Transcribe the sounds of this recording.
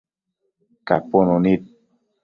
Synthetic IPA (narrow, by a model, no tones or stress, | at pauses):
ka̰pononit̪̚